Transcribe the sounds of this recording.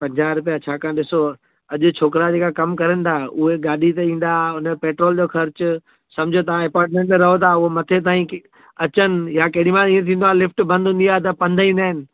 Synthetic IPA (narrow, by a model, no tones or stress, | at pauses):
pɐ̃ɲd͡ʑaːɾʊp̬ijat͡ɕʰaːkãːɗɪso | ɐʄʊ̆t͡ɕʰoːkɾad͡ʑeːkakɐmkɐɾənɪ̆t̪ʰaːɦʔʊɦeɠaːɗit̪eĩːn̆d̪aʊnəpeːʈɾoːld͡ʑoːxɐɾt͡ɕʊ | sɐ̃md͡ʑʱot̪ɐʋãɛpaːɾʈ̚mẽɳʈmẽɾɐɦot̪ʰaʊɦomɐt̪ʰet̪ãːĩk | ɐt͡ɕənɪ̆jakɐɽĩmãĩːẽt̪ʰĩːnd̪oalɪfʈbɐ̃nd̪ʱʊ̃n̆d̪ijaɦt̪̬ɐpɐ̃nd̪ʱəĩːnd̪aːɦɪnɪ̆